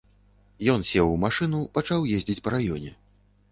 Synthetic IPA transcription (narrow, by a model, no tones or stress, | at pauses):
jɔnsʲɛwmaʂɨnupat͡ʂawjezʲd͡zʲit͡sʲpɐɾajɔnʲɛ̰